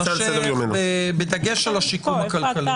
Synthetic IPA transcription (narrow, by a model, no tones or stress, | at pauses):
ʃseejomenebed̪ɐɡeʃelaʃikumhakalkali